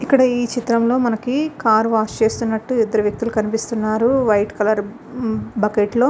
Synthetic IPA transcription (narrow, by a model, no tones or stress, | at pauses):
ikːɐɽɐiːt͡ʃit̪ɾɐmlo̞ːmɐnɐkikaːɾʋaːst͡ʃe̞ːst̪unːɐʈːuid̪ːɐɾuʋjɐk̚t̪ulukɐnipist̪unːaːɾuʋɐjʈkɐlɐɾ | bɐkeʈlo̞ː